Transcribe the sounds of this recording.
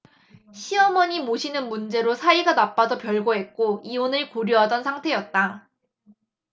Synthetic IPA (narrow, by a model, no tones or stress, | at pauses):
ɕʰiʌmʌɲimoɕʰinɯnmund͡ʑe̞ɾosʰaiɡanap͈ad͡ʑʌpjʌɭɡoɦe̞t̚k͈oionɯɭkoɾjuɦadʌnsʰaŋtʰe̞jʌt̚t͈a